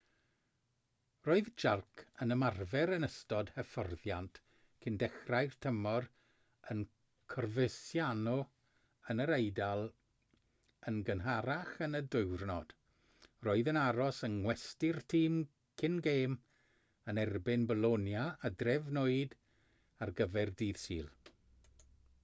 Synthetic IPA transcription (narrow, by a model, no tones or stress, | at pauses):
roːɨðd͡ʒarkʰənəmarvɛɾənəstɔd̥həfɔrðjant | kʰɪndɛχrajrtʰəmɔr | ən | kʰɔrvəsjanɔ | ənəɾejdalˠ | ənɡənɦaɾaχənədɨɨrnɔd̥ | roːɨðənaɾɔsənŋwɛstɪrtʰiːm | kʰɪnɡeːm | ənɛrbɪnbəlˠonjaːdrɛvnoːɨd | arɡəvɛrdiːðsḭːlˠ